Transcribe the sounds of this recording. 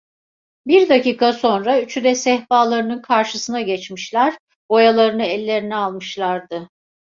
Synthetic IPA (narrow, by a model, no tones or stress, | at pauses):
biɾd̪aciːkʰaso̞nɾayt͡ʃʰyd̪ɛsɛhbaːlˠaɾɯnɯnkʰaɾʃɯsɯnaɟɛt͡ʃmiʃlʲæɾ̥ | bo̞jalˠaɾɯnɯɛlʲːe̞ɾinɛalˠmɯʃlˠaɾd̪ɯ